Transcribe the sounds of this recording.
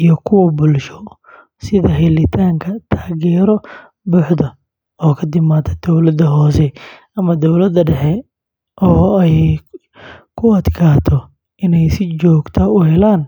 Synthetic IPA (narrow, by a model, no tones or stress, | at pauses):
ijɞkʰʊwɐbʊlʃɔ | sɪðɐɦɛlɪt̪ʰaːŋkʰɐt̪ʰaːɣɛːɾɔ | bʊːħd̪ɐ | ɔːkʰɐd̪ɪmaːt̪ʰɐd̪̥ɔwlɐd̪ɐɦɔːsɛ | ɐmɐd̪ɔwlɐd̪ɐɖɛħɛ | ʔɔːɛj | kʰʊɐd̪kʰaːt̪ʰɔ | ʔɪnɛjsɪt͡ʃɔːɡt̪ʰɐʊɦɛlaːn